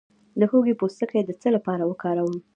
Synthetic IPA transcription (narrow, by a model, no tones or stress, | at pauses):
d̪əxoɡepost̪əkəjed̪ət͡səlapɑɾawəkɑɾawəm